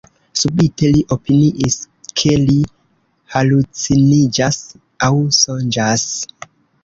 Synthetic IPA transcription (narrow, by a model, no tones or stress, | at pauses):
subite̞liʔo̞piniʔis | kʰe̞li | halut͡sinid͡ʒas | awsond͡ʒas